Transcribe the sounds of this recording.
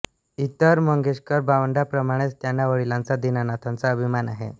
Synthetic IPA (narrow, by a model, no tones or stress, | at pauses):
it̪əɾməŋɡʱeɕkəɾbaʋəɳɖapɾəmaɽ̃et͡st̪janːaʋəɭilãnt͡sad̪inanat̪ʰant͡saəbʱimanaɦḛ